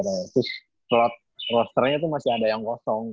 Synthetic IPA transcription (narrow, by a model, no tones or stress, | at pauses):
ɾasɪ | lɔt̪̚rɔst̪ərɲat̪̬umasiadajaŋkɔsɔŋ